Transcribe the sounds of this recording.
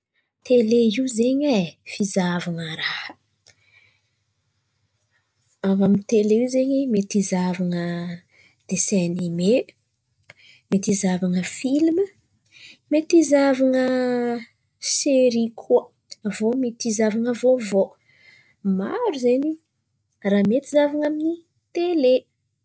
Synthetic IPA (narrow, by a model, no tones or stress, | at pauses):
t̪eleiuzeɲefizavaŋəɾahə̥ | avamint̪eleiwzeɲemet̪izavaŋə | d̪̥esɛnime | met̪izavaŋəfilmə | met̪izavaŋə | seɾikʰuə | vomet̪izavaŋəvovo | ma̰ɾuzeɲi | ramet̪izavaŋamini | t̪ele